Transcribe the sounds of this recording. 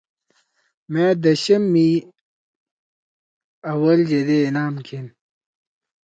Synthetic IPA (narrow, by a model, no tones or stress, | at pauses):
mẽːd̪ɐɕɐmːi | ɐwɐld͡ʑed̪eːnaːmkʰin